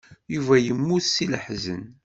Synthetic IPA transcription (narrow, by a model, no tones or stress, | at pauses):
juvæjəmːuθsiləħzə̰n